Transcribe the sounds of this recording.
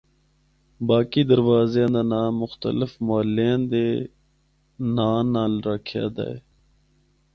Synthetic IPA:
baːkiːd̪əɾʋaːzjãːd̪aːnaːʊxt̪əlɪfmaːlẽnd̪eː | naːnːaːlɾəkʰja̰ːd̪a̰ːeː

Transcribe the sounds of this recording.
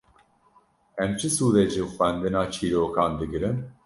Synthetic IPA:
ɛmt͡ʃʰɨsuːd̪ɛd͡ʒifɛnd̪ɨnaːt͡ʃʰiːɾoːkʰaːnd̪ɨɡɨɾɨn

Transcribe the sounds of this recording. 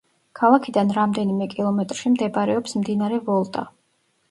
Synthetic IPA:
kʰalˠakʰid̪anɾamd̪ɛnimɛkʼilˠɔmɛt̪ʼɾʃimd̪ɛbaɾɛɔpsmd̪inaɾɛvɔlˠt̪ʼa̰

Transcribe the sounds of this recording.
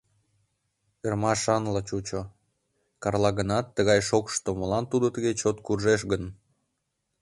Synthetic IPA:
ermɑʃɑnlət͡ɕut͡ɕo | kɑrlɑɣənɑt̪ːəɣɑjʃokʃt̪omolɑnt̪ud̪ot̪əɣet͡ɕot̪kurʒeʃɣən

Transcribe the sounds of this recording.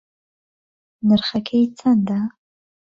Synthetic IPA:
nɨrχakʲʰejt͡sʰanda

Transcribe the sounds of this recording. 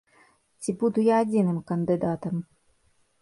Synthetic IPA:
t͡sʲibud̪ujaːd͡zʲinɨmkɐnd̪ɨd̪at̪ɐm

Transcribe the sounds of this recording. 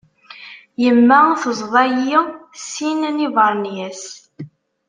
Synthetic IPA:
jəmːæθəzˤðˤɑjisːinnivəɾˤnjæs

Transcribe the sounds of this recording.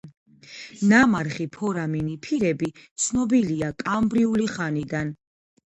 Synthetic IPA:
namaɾχipʰɔɾaminipʰiɾɛbit̪sʰnɔbiliakʼambɾiuliχanid̪an

